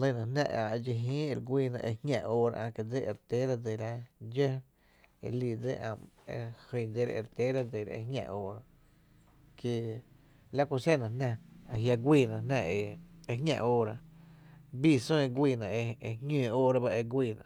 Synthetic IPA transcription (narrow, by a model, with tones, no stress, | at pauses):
lə˧˨nã˧hnã̰˧ʔã˨e˧d͡ʒi˧ɦĩː˦e˧˨ɾɡʷiː˧˨nã̰˧ʔe˧hŋʲã̰˧ʔoː˦ɾa̰˧ʔã˧˨ke˧˨d͡ze˦e˨ɾt̪e˦ɾa˧d͡ze˧˨ɾa˧d͡ʒə˦ | ḛ˧li˧˨d͡zḛ˦ʔã̰˧mḛ˧hə˧˨d͡ze˧ɾa˧ʔḛ˨ɾt̪e˦ɾa˧d͡ze˨ɾa̰˧ḛ˧ɦŋʲã̰˧ʔoː˦ɾa˧ | ke˧ | la˦ku˧se˦˨nã˨nã˧a˨ɦja˧ɡʷiː˧˨nã˧nã˧e˧e˧hŋʲã̰˧ʔoː˦ɾa˧ | biː˦˧sõ˦e˧ɡʷiː˧˨nã˨ʔe˧e˧ŋẽː˧˨oː˦ɾa˧ba˦ʔe˧ɡʷiː˧˨nã̰˧˨